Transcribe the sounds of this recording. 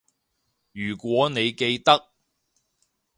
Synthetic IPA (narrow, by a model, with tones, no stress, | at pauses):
jyː˨˩kʷɔː˨˥ne˨˧jke˧jt̪ɐ˥k̚